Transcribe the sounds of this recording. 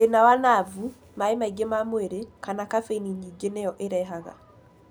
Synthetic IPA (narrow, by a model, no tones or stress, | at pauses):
enawanavu | maemaiɡemamweɾekanakafeniɲiɡenɛjɔʔeɾɛɦaɣa̰